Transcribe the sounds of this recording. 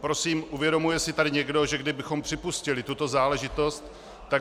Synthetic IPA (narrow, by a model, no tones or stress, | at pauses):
pɾo̞siːmʔuvjɛdo̞mujɛsɪt̪adɪɲɛɡdo̞ʒɛɡdɪbɪxo̞mpr̥ɪpuscɪlɪt̪ut̪o̞zaːlɛʒɪt̪o̞st̪ː | a